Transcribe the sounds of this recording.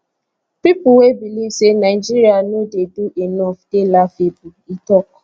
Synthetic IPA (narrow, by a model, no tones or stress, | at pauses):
pipuwebilivsenaɪd͡ʒiɾianodeduʔenɔfd̥elafebuitɔk